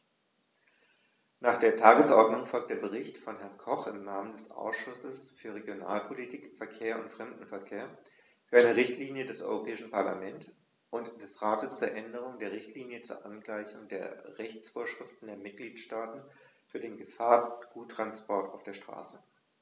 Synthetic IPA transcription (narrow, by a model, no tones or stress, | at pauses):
naːχd̥eːɐtʰaːɡəsʔɔɐdnʊŋfɔlk̚td̥eːɐbəʁ̞ɪçtfɔnɦɛɐnkʰɔχɪmnaːməndɛsʔa̰ʊsʃʊsəsfyːɐʁ̞eɡjona̰ːlpʰolitʰiːkfɛɐkʰeːɐʊntfʁ̥ɛmdn̩fɛɐkʰeːɐ | fyːɐʔaɪnəʁɪçtʰliːnjədɛsʔɔ̰ʏʁopʰɛːɪʃn̩pʰaɐla̰mɛnt | ʔʊntd̥ɛsʁaːtəst͡suːɐʔɛndəʁ̞ʊŋdeːɐʁ̞ɪçtʰliːnjət͡sṵːɐʔanɡlaɪçʊŋdeːɐʁɛçt͡sfoːɐʃʁ̥ɪftn̩deːɐmɪt̚ɡ̥liːtʃtaːtn̩fyːɐdeːnɡəfaːɐɡ̥uːtʁ̥anspɔɐta̰ʊfd̥eːɐʃtʁ̥a̰ːsə